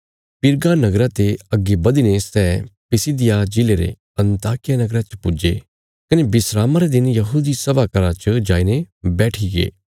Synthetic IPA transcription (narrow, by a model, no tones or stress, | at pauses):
pɪɾɡanɐɡɾat̪eɐɡːebɐd̪inesɛːpɪsid̪ɪjad͡ʒɪleɾḛ | ɐ̃nt̪aːkɪjanɐɡɾat͡ʃə̥pʊd͡ʒe | kɐnebɪsɾaːmaɾed̪ɪnjɐɦuːd̪isɐbakɐɾat͡ʃəd͡ʒaːinebɛːʈʰiɡḛː